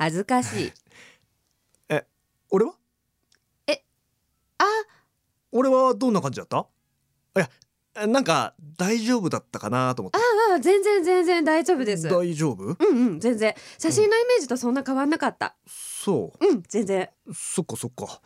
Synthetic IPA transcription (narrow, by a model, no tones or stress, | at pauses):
hazɨkaɕḭː | e | oɾe̞βa | e | a | oɾe̞βad̪õ̞nːakãɲd͡ʑid̪at̪ːa | ja | nãŋka̰d̪aiʑo̞ːbɯ̟d̪at̪ːakanat̪o̞moaːzẽ̞nzẽ̞nzẽ̞nzẽ̞nd̪aiʑo̞ːbɯ̟d̪e̞sɨd̪aiʑo̞ːbɯ̟ɯ̟̃ɴɯ̟̃ɴd͡zẽ̞nd͡zẽ̞ɰɕaɕĩnːo̞ime̞ːʑit̪o̞sõ̞nːakaβãnːakat̪ːa̰ | so̰ːɯ̟̃ɴz̥ẽ̞nd͡zẽ̞ | so̞kːaso̞kːa